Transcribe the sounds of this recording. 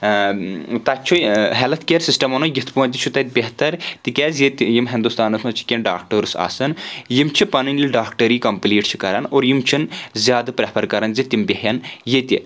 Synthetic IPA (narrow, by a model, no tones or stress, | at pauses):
t̪at͡ʃʰuɦɛlɐt̪ʰkʲeːɾsisʈɐmonojit̪ʰpuɐnt̪ʲit͡ʃʰut̪ɐt̪̚ʲbʲeɦt̪ɐɾt̪ikʲeːzjet̪ʲjimɦind̪ust̪aːnɐsmɐt͡ʃʰi̥kʲenɖa̰ːk̚ʈɐɾsa̰ːsɐnjimt͡ʃʰipɐnɨnʲlʲiɖaːkʈɐɾiːkɐmpliːʈt͡ʃʰi̥kɐɾɐnoːɾjimt͡ʃʰinzʲjaːd̪pɾepʰɐɾkɐɾɐnzet̪ʲimbʲeɦjɐnjet̪ʲi